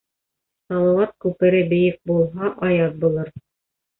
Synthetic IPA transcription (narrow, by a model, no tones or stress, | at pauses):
sɑlˠɑwɑt̪̚kʉpɘ̆ɾɘbɘ̆jɘk̚bulˠɦɑʔɑjɑt̪̚bulˠɤɾ